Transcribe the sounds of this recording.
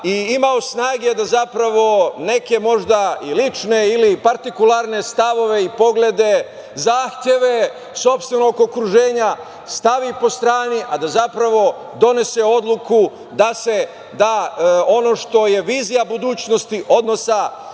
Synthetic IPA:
iimaosnaːɡe̞d̪azapɾaʋo̞ne̞ke̞mo̞ʒd̪ailit͡ʃne̞ilipaɾt̪ikulˠaɾne̞st̪aʋo̞ʋe̞ipo̞ɡled̪e̞ | zaːxt̪je̞ʋe̞ | so̞pst̪ʋenoɡokɾuʒe̞ːɲa | st̪aʋipo̞st̪ɾaːniʔad̪azapɾaʋo̞ | d̪o̞ne̞se̞o̞d̪lˠuku | d̪ase̞ | d̪ao̞no̞ʃt̪o̞je̞ʋiːzijabud̪uːt͡ɕno̞st̪iʔo̞d̪no̞sa

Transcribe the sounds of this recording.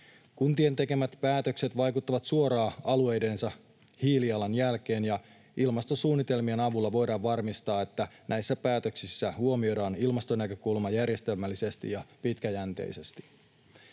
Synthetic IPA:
kunt̪ie̞nt̪e̞ke̞mæt̪pæːt̪ø̞kse̞t̪ʋɑjkut̪ːɑʋɑt̪suo̞ɾɑːɑlue̞jde̞nsɑ | hiːliɑlɑnjælk̟e̞ːnjɑ | ilmɑst̪osuːnːit̪e̞lmie̞nɑʋulːɑʋo̞jdɑːʋʋɑrmist̪ɑːe̞t̪ːæ | nʔæjsːæpæːt̪ø̞ksisːæhuo̞mio̞dɑːnilmɑst̪onækø̞kulmɑjærje̞st̪e̞lmælːise̞st̪ḭjɑpit̪kæjænt̪e̞̰jse̞st̪i̥

